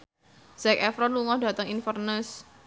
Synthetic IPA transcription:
z̥ɛkɛfɾɔnluŋɔda̤t̪əŋinfərnəs

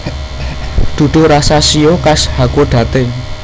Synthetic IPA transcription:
d̪̥ṳɖ̪̥o̤ɾasasiokashakoɖ̥ä̤t̪e

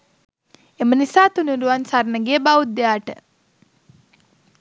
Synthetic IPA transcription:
emənisaːt̪unuɾuʋansaɾnəɡeːbaud̪ːejaːʈə̰

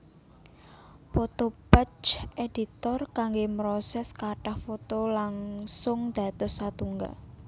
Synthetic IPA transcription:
pot̪ob̥ət͡ʃed̪̥it̪ɔrkaŋɡemɾɔsɛskaʈahfot̪olaŋsʊŋd̪̥a̤t̪ɔsːat̪uŋɡa̰

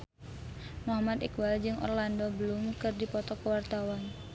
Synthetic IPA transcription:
mɔɦamat̪ikwald͡ʒɨŋʔɔ̰rlandɔbəlʊmkɨrdipɔt̪ɔkəwart̪awan

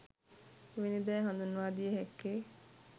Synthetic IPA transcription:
ʋinid̪ɛːɦãnd̪unːʋaːd̪ijəɦekːeː

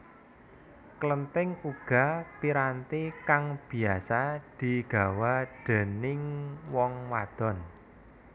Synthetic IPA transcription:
klənt̪ɪŋuɡ̥a̤piɾant̪ikaŋb̥i̤asad̪̥i̤ɡ̥a̤waɖ̪̥ɛ̤nɪŋwɔŋwad̪̥ɔ̤n

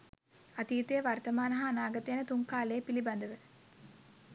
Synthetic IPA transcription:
at̪iːt̪ejəʋart̪əmaːnɐɦaːnaːɡɐt̪əjanət̪uŋkaːleːpiliband̪əʋə

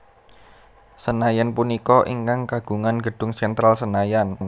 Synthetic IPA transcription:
sənajanpunikɔʔiŋkaŋkaɡ̥ṳŋanɡ̥ə̤ɖ̥ʊ̤ŋsɛnt̪ɾalsənajan

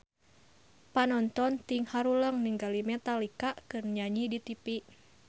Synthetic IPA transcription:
panɔnt̪ɔnt̪iŋhaɾuləŋniŋɡalimɛt̪alikaʔkɨrɲaɲidit̪ipiʔ

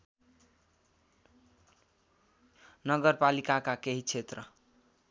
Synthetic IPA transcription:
nʌɡʌɾpalikakakeɦit͡sʰet̪rʌ

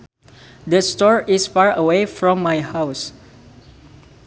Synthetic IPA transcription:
dəstɔɹisfaɹəwefɹɔ̃mːajhaws

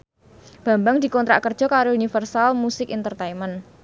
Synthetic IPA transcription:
b̥a̤mbaŋd̪̥i̤kɔnt̪ɾa̰ʔkərd̥ʒ̥ɔ̤kaɾounifərsalmusɪkint̪ərt̪aimən

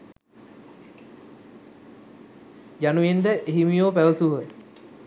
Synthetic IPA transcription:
januend̪əʔeɦimijoːpæʋəsuɦə

